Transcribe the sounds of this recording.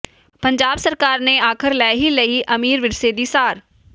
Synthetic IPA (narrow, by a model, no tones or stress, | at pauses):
pɐ̃ɲd͡ʒaːbsɐɾkaːɾneaːkʰɪɾlɛːɦilɐiʔɐmiːɾʋɪɾseːd̪iːsaːɾ